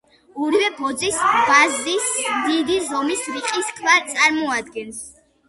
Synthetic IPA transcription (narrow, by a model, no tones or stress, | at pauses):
ɔɾivɛbɔd̪zisbazismd̪id̪izɔmisɾiqʼiskʰvaɾt̪sʼaɾmɔad̪̚ɡɛns